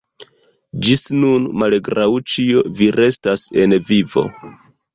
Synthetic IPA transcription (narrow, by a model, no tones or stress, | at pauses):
d͡ʒisnunmalɡɾawt͡ʃio̞viɾe̞stase̞nvivo̞̰